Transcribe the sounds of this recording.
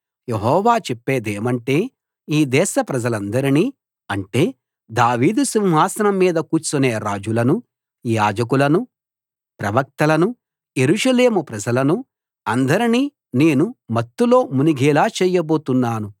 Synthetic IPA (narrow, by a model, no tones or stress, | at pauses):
jeɦɔːʋaːt͡ʃepːeːd̪eːmɐɳʈe̞ː | iːd̪ɛːʃɐpɾɐd͡ʒɐlɐnd̪ɐɾiniː | ɐɳʈe̞ː | d̪aːʋiːd̪usimɦaːsɐnɐmːiːd̪ɐkuːt͡ʃːuneːɾaːd͡ʒulɐnu | jaːd͡ʒɐk̬ulɐnu | pɾɐʋɐk̚t̪ɐlɐnu | jeɾuʂɐle̞ːmupɾɐd͡ʒɐlɐnu | ɐnd̪ɐɾiniː | ne̞ːnumɐt̪ːulo̞ːmuniɡɛːlaːt͡ʃɛːjɐbo̞ːt̪unːaːnu